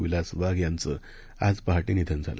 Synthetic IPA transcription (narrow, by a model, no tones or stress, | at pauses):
ʋilasʋaɡjant͡sə | ad͡zpaɦaʈinid̪ʱənd͡zʱalə̰